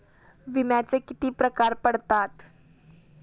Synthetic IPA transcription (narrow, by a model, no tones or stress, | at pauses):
ʋimjat͡sekit̪iːpɾəkaɾpəɽt̪at̪